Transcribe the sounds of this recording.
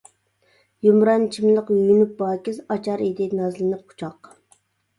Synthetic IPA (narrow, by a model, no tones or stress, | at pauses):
jumɾɑnt͡ʃʰimlˠəqyjynyp̚bɑːkʲizɑt͡ʃʰɑɾid̪ɪnɑzlɨnɨqʰʊ̥t͡ʃʰɑq